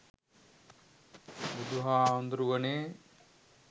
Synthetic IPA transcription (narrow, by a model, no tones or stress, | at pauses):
bud̪uɦaːond̪ɾuʋɐneː